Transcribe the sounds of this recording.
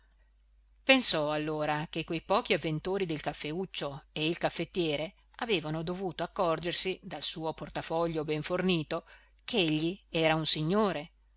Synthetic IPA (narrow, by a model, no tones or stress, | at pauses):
pensɔalːoːɾakekːwejpɔːk̟iavːent̪oːɾid̪elkafːeut͡ʃːoeilkafːet̪ːjɛːɾe | aveːvanod̪ovuːt̪oakːɔrd͡ʒersid̪alsuːoport̪afɔʎːobɛɱforniːt̪o | keeʎːiɛːɾaunsiɲːoːɾe